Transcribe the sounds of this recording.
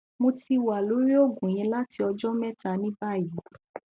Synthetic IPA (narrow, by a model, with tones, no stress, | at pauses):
mo˧ti˧wa˨lo˨˦ɾi˦o˦˨ɡũ˨j̃ɛ̃˧la˦ti˧ɔ˧d͡ʒɔ˦mɛ˦˨ta˧nĩ˦ba˦˨ji˨˦